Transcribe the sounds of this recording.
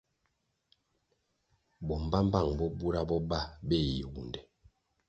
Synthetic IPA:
bɔ˨m˨ba˦m˦ba˦˨ŋbɔ˦bu˦ɾa˦bɔ˦ba˦bɛ˦˨ji˨wu˨ndɛ˨

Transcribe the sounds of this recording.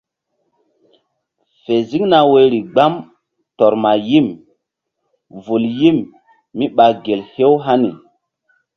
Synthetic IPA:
fe˨zi˦ŋna˨we˨ɾi˨ɡ͡ba˦m | tɔ˨ɾma˨ji˦m | vu˨lji˦mː | i˦ɓa˨ɡe˨lhe˦wɦa˦ni˨

